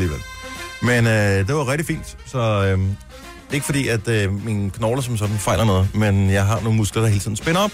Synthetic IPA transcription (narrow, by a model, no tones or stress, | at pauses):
liːʋelmenød̥e̝ʋɑ̈ʁɛɡ̥d̥ifḭːnd̥ | sɒ̽ | d̥eeɡəfɒ̽d̥ḭːæd̥minkʰnɒʊlɐsɒ̽msɒ̽d̥n̩fɑ̈ɪ̰lʔɐnɔ̽ːð̞̩ˠmenjɑ̈ɪɦɑ̈no̝ːn̩musɡ̥lɐd̥ɑhe̝ːlət͡sʰḭðˠn̩sb̥enɐɒ̽b̥